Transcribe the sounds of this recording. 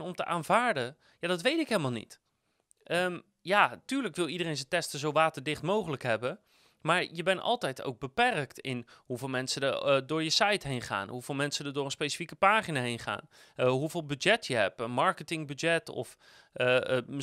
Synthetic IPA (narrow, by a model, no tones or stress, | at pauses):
nɔmtə̰ʔaːnvaːɹdə | jaːdɑtʋejtɪkɦejlˠəmalˠnḭt | ʔəm | jaːtyːɹləkʋɪlˠidərejnzətɛstəzowʋaːtəɹdɪχtmowχələkɦɛbə | maːɹjəbɛnɑ̰lˠtɛjto̰wɡ̚bəpɛrktɪnɦuvɪːlˠmɛnsədədʊːɹjəsɑjtɦejnχa̰ːnɦuvɪːlˠmɛnsədəɹdʊːɹənspejsi̥fikəpaːχinaːɦejnχa̰ːn | ɦuvɪːlˠbyd͡ʒɛtjəɦɛ̰pənmɑɹkətɪŋbyd͡ʒɛtɔ̰f